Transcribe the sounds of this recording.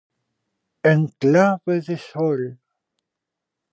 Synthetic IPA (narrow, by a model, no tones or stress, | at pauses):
eŋklaβeðesol